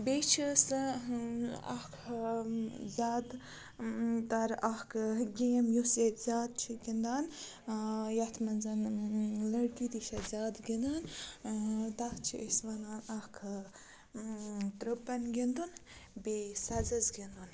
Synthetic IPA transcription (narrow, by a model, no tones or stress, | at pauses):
beːt͡ʃʰis | ɐ̰kʰ | zʲaːd̪ | t̪ɐɾɐhkʰɡemjuset̪z̥ʲaːd̪̚t͡ʃʰiɡind̪aːn | jɐt̪ʰmɐnzɐnlɐɽkid̪iʃɐzʲaːd̪ɡinan | t̪ɐt͡ʃʰiʔəsʋɐnaːnɐhkʰ | t̪ɾɨpːɐnɡind̪unbeːsɐzɐzɡind̪un